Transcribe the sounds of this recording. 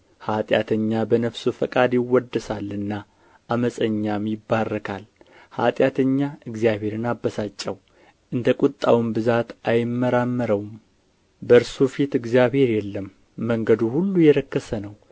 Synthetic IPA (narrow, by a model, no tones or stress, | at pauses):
hat̪ʼjat̪ʰəɲːabənəfsufəkʼad̪jɪwːɔd̪ːəsalːɨnːa | ʔːməsʼəɲːamjɪbːarːəkʰal | ha̰t̪ʼjat̪ʰəɲːaɨɡzijaβe̞ɾɨnabəsat͡ʃʼːɛw | ʔɨnd̪əkʼut̪ʼːa̰wmbɨzat̪ʔajɪmːəɾamːəɾəwm | bəɾsofit̪ɨɡzijaβhe̞ɾjɛlːəmː | əŋɡəd̪uhulːujɛɾəkːəsənəw